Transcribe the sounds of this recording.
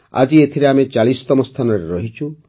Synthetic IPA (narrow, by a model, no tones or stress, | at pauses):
a̰d͡ʒiet̪ʰiɾeamet͡ʃaɭisɔ̥t̪ɔmɔst̪ʰanɔɾeɾɔɦit͡ʃʰu